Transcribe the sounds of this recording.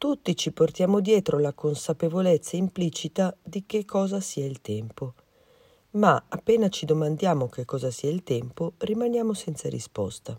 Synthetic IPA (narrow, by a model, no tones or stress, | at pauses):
t̪ut̪ːit͡ʃiport̪jaːmod̪jɛːt̪ɾolakonsapevolet̪sːaimplit͡ʃit̪ad̪ik̟ekʰːɔːzasiailt̪ɛmpo | maapːeːnat͡ʃid̪omand̪jaːmok̟ekːɔːzasiailt̪ɛmporimanjaːmosɛnt̪saɾḭspɔ̰st̪a